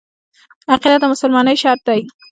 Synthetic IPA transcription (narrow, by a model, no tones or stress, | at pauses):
aqilat̪̚d̪əmʊsʊlmɑnəjʃɑɾt̪̚d̪aj